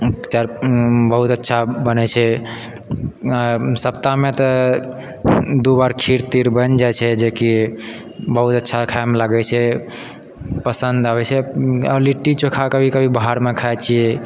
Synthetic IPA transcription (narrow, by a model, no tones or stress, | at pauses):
t͡ʃaɾbəɦut̪ətːʃʰabənɛt͡ʃʰɛ | səp̚t̪amet̪ɔ | d̪ubaɾkʰiɾt̪iɾbənd͡ʒajt͡ʃʰɛd͡ʒeki | bəɦut̪ətːʃʰakʰajmlaɡɛt͡ʃʰɛ | pəsənd̪abɛt͡ʃʰɛəbliʈːit͡ʃokʰakəbʱikəbʱibaɦaɾmekʰajt͡ʃʰiɛ